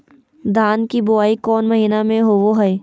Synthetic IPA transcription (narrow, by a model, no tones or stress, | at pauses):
d̪ʱaːnkibʊaːikɔːnmɐɦiːnamẽɦoʋoɦɛe